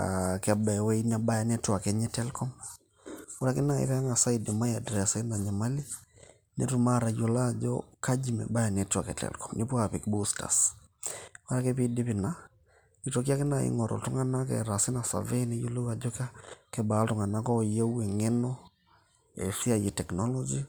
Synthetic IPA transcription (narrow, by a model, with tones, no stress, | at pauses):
a̰kɛ˨ba˨we˦i˦na˨ba˦ja˨nɛ˦twa˨kɛ˦ɲɛ˦tɛ˦lkɔ˦m | wo˦ɾa˦kɪ˦na˨ḭ˦ɾɛ˦a˦ŋa˨sa˦i˦di˨ma˦ja˨dɾɛ˨sa˦i˦na˨ɲa˨ma˦li˦ | nḛ˦tu˨ma˦ɾa˨jo˨la˦d͡ʒɔ̰ka˦d͡ʒi˨mɛ̰˨ba˦ja˨nɛ˨ta˨kɛ̰˨tɛ̰lkɔ˨mni˦pwa˨pi˨kbu˦sta̰˨s | wa˦ɾa˦kɛ˦pi˦di˦pɪ˨na | ni˦to˨k̬ja˦kɪ˦na˨ɪ̰ŋɔ˨ɾɔ̰ltʊ˦ŋa˦na˦kɛ̰˨ɾa˨sɪ˦na˨sa̰˨vɛ˦nɛ˦jo˦lo˦wa˨d͡ʒɔ˦ka˦kɛ˦ba˨˦ltʊ˨ŋa˨na˦kɔ˦˨je˦we˨ŋɛ˦nɔ˦ | ɛ̰˨si˦a˨je˨tɛ˨knɔ˦lɔ˦d͡ʒi